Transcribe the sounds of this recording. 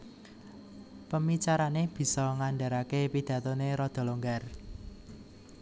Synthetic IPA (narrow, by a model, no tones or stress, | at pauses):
pəmit͡ʃaɾaneb̥i̤sɔŋanɖa̤ɾakepid̪̥ä̤t̪oneɾɔd̪̥ɔ̤loŋɡar